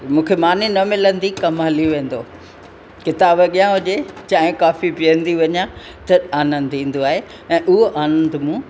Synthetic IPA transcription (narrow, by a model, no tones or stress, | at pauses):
mũːkʰemaːninɐmɪlə̃nd̪ikɐmɦɐliʋẽːn̆d̪oː | kɪt̪aːbɐɠijãɦʊʄet͡ɕaːɦɪ̃kaːfipijə̃nd̪iʋɐɲã | t̪ɐaːnə̃nd̪ĩːn̆d̪oaːɦe | ɛ̃ːʔʊɦoʔaːnə̃nd̪mũː